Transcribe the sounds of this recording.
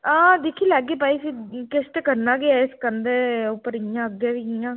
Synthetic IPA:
ãːd̪ekʰiːlɛːɡeːpaːiːsiːkɪst̪ekəɾnaːɡeaɪskənd̪eːʊpːəɾɪjãːəɡjeːʋiɪjãː

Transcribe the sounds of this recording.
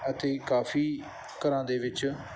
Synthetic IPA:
ət̪eːkaːfiː | kəɾãːd̪eːʋɪt͡ʃ

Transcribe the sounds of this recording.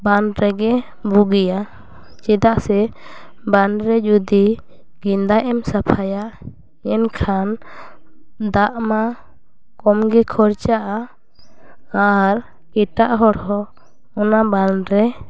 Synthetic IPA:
banɾɛɡɛ | buɡija | t͡ʃɛd̪aʔsɛ | banɾɛd͡ʒud̪i | ɡind̪ajʔɛmsapʰajaʔ | ɛnkʰan | d̪aʔma | kɔmɡɛkʰɔɾt͡ʃaʔa | ɾ | kɛʈaʔɦɔɾhɔ | ɔnabanɾɛ

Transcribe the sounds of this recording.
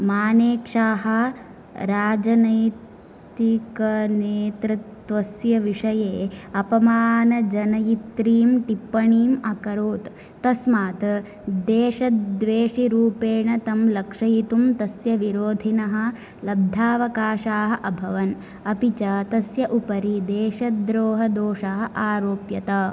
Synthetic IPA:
maːneːkʂaːɦɐ̆ | ɾaːd͡ʒɐnɐj̪ | ikɐneːt̪ɾɨt̪ʋɐsjɐʋiʂɐjeːɐpɐmaːnɐd͡ʒɐnɐjit̪ɾiːmʈipːɐɳiːmɐkɐɾoːt̪ː | ɐsmaːt̪ | d̪eːʂɐd̪ʋeːʂiɾuːpeːɳɐt̪ɐmlɐkʂɐjit̪umt̪ɐsjɐʋiɾoːd̪ʱinɐɦɐ̆ | lɐb̚d̪ʱaːʋɐkaːʂaːɦɐʔɐbʱɐʋɐn | ɐpit͡ʃɐt̪ɐsjɐʔupɐɾid̪eːʃɐd̪ɾoːɦɐd̪oːʂaːɦɐ̆ʔaːɾoːpjɐt̪ɐ

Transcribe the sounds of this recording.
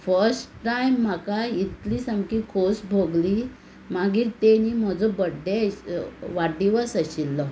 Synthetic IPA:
fəɾsʈʈajmːakait̪liːsamkikʰosbʱoɡli | maɡiːɾt̪eniːm̤əd͡zɔbəɖe | ʋaɖiʋəsəɕilːɔ

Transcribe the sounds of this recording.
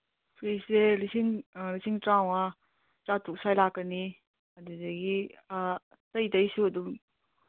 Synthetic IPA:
pʰɾiseɾisiŋɾisiŋtɾawa | tatʰuk̚sajlakːɐni | ɐduzɐɡi | tɐjdɐjsuɐdum

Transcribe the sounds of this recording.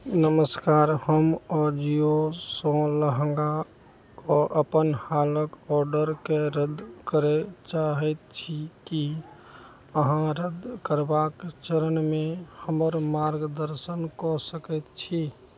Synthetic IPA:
nəməskaɾhəmɔd͡ʒiosɔ̃ləɦəŋɡa | koʔəpənhaləkɔɾɖəɾkeɾəd̪kəɾet͡ʃaɦɛt̪̚t͡ʃʰiki | əɦãɾəd̪ʱkəɾbakt͡ʃəɾənmehəməɾmaɾɡd̪əɾsənkɔsəkɛt̪̚t͡ʃʰi

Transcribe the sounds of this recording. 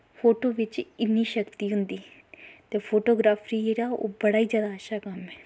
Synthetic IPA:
pʰoːʈoːʋɪt͡ʃɪnːiːʃəkt̪iːɦʊnd̪iːt̪eːpʰoːʈoːɡɾaːpʰɾiːɾaːo̰ːbəɽaːiːzjaːd̪aəʃaːkəmɦɛː

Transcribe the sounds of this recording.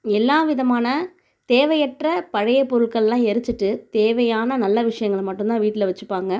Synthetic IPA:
ɛlːaːʋɪðɐmaːnɐ | t̪eːʋɐjɛʈrɐpɐɻɐjɐpːɔɾɯɭkɐɭlãːɛɾɯt͡ʃːɯʈːɯt̪eːʋɐjaːnɐnɐlːɐʋɪʂɐjɐŋɡɐɭmɐʈːɯnt̪ãːʋiːʈːɪlɐʋɐt͡ʃːɯpːaːŋɡɐ

